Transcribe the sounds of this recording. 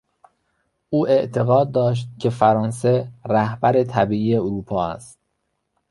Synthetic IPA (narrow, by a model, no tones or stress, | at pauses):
ʔuːʔe̞ʔt̪ʰe̞ɣɒːd̪̚ːɒːʃ̬t̪̚cʲʰe̞fæɾɒːnse̞ɾæhbæɾet̪ʰæbiːʔiːjeoɾuːpʰɒːæ̰st̪̚